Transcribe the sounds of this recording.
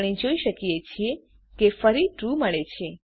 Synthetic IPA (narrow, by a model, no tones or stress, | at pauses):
ɽ̃id͡ʒoiʃəkijet͡ʃʰie | kefəɾiʈɾuməɭet͡ʃʰe